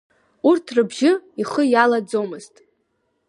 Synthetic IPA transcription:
urtʰrɨbʒɪiχəjalad͡zomɨztʼ

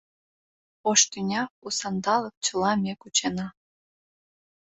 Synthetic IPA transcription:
oʃt̪ynʲɑusɑnd̪ɑlək̚t͡ɕəlɑmʲekut͡ɕenɑ

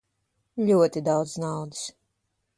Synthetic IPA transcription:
lʲuɔt̪id̪awd̪znawd̪ɨ̥s

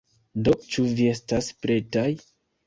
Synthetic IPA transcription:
dot͡ʃuvie̞staspɾe̞taj

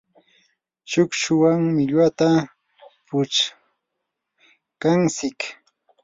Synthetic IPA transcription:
t͡ʃʊkʃʊwaŋmɪʎwat̪a | pʊt͡ʃ | kansɪk

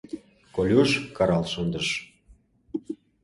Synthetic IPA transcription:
kolʲuʃkɑɾɑlʃond̪əʃ

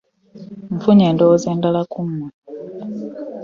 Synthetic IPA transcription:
ɱfuɲeːndowozeːndalakumːa

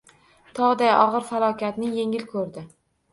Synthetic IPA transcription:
t̪ʰɒʁd̪ajɒʁɨɾfalˠɒkʲat̪nɪje̞ŋɪlkʰɵɾd̪ɪ

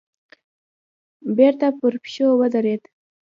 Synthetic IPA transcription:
beɾt̪apəɾpʃowəd̪aɾed̪

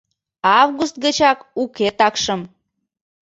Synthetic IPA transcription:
ɑvɣust̪̚ɡət͡ɕɑkuket̪ɑkʃəm

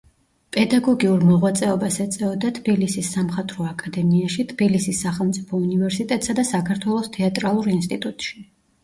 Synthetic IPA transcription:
pʼɛd̪aɡɔɡiuɾmɔʁwat̪sʼɛɔbasɛt̪sʼɛɔd̪at̪ʰbilisisːamχat̪ʼɾɔakʼad̪ɛmiaʃit̪ʰb̥ilisisːaχɛlˠmt̪sʼi̥pʰɔunivɛɾsit̪ʼɛt̪ʼsad̪asakʰaɾt̪ʰwɛlˠɔst̪ʰɛat̪ʼɾalˠuɾinst̪ʼit̪ʼut̪ʼʃi̥

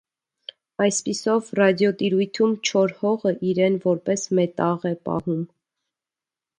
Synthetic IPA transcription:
ɑjspisɔvrɑd̪jɔt̪iɾujt̪ʰumt͡ʃʰɔɾhɔʁəʔiɾɛnvɔɾpɛsmɛt̪ɑʁɛpɑ̰hum

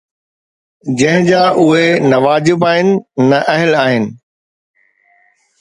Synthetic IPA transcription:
d͡ʑɐ̃ɦɪ̃d͡ʑaːʔʊɦenɐʋaːd͡ʑɪbaːɦɪnɪ̆nɐʔɐɦɪlaːɦɪnɪ̆

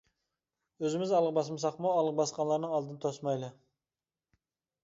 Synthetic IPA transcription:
ɵzɪmɪzɑlˠəq̚bɑs̬əmsɑqmɑwɑlˠəq̚bɑsqɑnlˠɑɾnəɴɑlˠd̪ənət̪ʰosmɑjlˠə

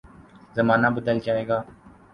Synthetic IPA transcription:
zəmaːnaːbəd̪əld͡ʒaːɦeːɡaː

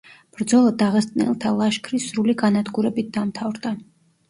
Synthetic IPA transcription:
b̥ɾd̪zɔlˠad̪aʁɛst̪ʼnɛ̰lˠt̪ʰalˠaʃkʰɾisɾuliɡanad̪ɡuɾɛbit̪̚d̪amt̪ʰavɾd̪a

